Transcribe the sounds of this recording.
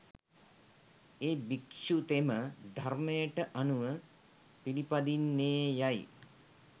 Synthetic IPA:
eːbikʃut̪eməd̪ʱarmejəʈəʔanuʋə | pilipad̪inːeːjaj

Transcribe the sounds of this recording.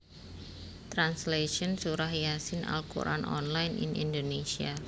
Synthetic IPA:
t̪ɾansleʃɔnsuɾahjasɪnʔa̰lkṵɾʔa̰nʔɔ̰nlajnḭnḭndonesia

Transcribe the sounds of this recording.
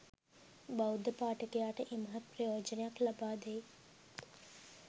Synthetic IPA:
bɐwud̪ʱəpaːʈəkejaːʈəʔimɐɦɐt̪̚pɾɐjoːd͡ʒɐnejaklɐbaːd̪ej

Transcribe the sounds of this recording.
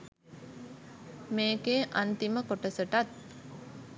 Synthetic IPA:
meːkeːʔant̪iməkoʈəsəʈat̪̚

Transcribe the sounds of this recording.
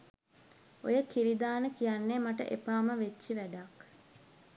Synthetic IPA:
ojəkiɾid̪aːnəkijanːemaʈə̰ʔepaːməʋet͡ʃːiʋæɖak

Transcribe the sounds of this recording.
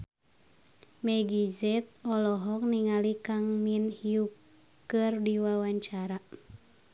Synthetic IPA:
mɛɡizɛt̪̚ɔlɔɦɔk̚niŋalikaŋminhiukː | ɨrdiwawaɲt͡ʃaɾa

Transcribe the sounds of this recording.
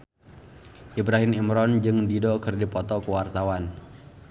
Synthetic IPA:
ʔibɾaɦɪmimɾɔnd͡ʒɨŋdidɔkərdipɔt̪ɔkəwart̪awan

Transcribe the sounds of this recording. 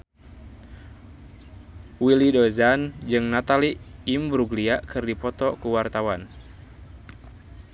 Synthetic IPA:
wilidɔzand͡ʒɨŋnat̪aliːmbɾuɡliakɨrdipɔt̪ɔkuwart̪awan

